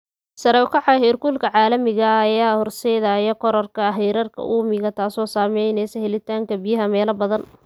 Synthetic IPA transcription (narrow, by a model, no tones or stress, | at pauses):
sɐɾɐwkʰɑħɑhɛːrkulkʰɐʕɑːlɐmɪɣɐːjaːhɔrsɛðaːjɐkʰɔɾɐrkʰɐɦɛjɾɐrkʰɐ̰ʔuːmɪɣɐt̪ʰaːsɔːsaːmɛjnɛsɐhɛlɪt̪ʰaːŋkɐbɪjɐɦɐmɛːlɐbɐðɐn